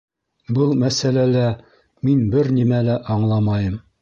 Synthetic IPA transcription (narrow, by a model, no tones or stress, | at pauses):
bɤlˠmæsælælæ | minbɘɾnimælæʔɒɴlˠɑmɑjɤm